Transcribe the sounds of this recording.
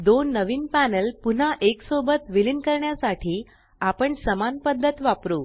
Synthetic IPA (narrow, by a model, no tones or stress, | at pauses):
d̪onːəʋiːnpænəlpun̤aʔeksobət̪ʋilinkəɾɳjasaʈʰiː | apəɳsəmanpəd̪ʱːət̪ʋapɾuː